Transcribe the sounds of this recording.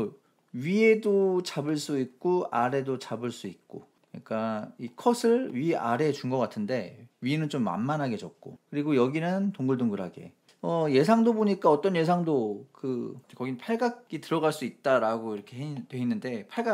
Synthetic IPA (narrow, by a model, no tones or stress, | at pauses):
ɥie̞dot͡ɕabɯɭs͈uik̚k͈oaɾe̞dot͡ɕabɯɭs͈uik̚k͈o̰ | ɯɲik͈aikʰʌsʰɯɭɥia̰ɾe̞t͡ɕuŋɡʌk͈atʰɯnde̞ɥinɯnt͡ɕomːa̰nmanɦaɡe̞t͡ɕʌ̰k̚k͈okɯɾiɡojʌɡinɯntoŋɡɯɭdoŋɡɯɾɦaɡe̞̰ | ʌje̞sʰaŋdoboɲik͈aʌt͈ʌnje̞sʰaŋdokɯekʌɡinɯnpʰaɭɡak͈̚itɯɾʌɡaɭs͈uit̚t͈aɾaɡoiɾʌkʰe̞twe̞inːɯnde̞pʰaɭɡa